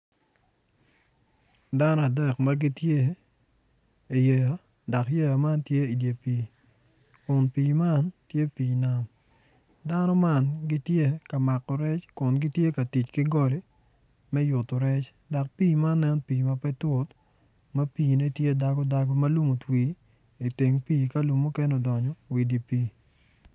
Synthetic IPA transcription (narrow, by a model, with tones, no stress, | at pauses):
da˦nɔ˦a˨dɛ˨kma˦ɡɪ˦tje˦ | i˨je˨ja˨ | da˨kje˦ja˨ma˦ntje˦i˨dje˨pi˨ | kʊ˨npi˨ma˦ntje˦piː˨na˦m | da˦nɔ˦ma˦nɡɪ˦tje˦ka˨ma˨kːɔ˨ɾɛ˦t͡ʃkʊ˨nɡɪ˦tje˦ka˨ti˨t͡ʃki˦ɡɔ˦li˦ | mɛ˦jʊ˨to˨ɾɛ˦t͡ʃ | da˨k̚piː˦ma˦nːɛ˦npiː˨ma˦pɛ˦tʊ˦t | mɐ˦piː˨ne˦tje˦da˦ɡɔ˦da˨ɡɔ˦mɐ˦lu˦mo˨twi˨˦ | i˨te˨ŋpiː˦ka˦lu˨mːu˦kɛ˦no˨dɔ˨ɲɔ˦wi˨di˨piː˦